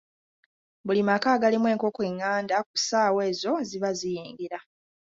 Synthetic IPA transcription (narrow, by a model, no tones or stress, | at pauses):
bulimakaːɡalemwe̞ːŋko̞kweŋːaːndak̚usaːwe̞ːzo̞ziβazijeːŋɡeɾa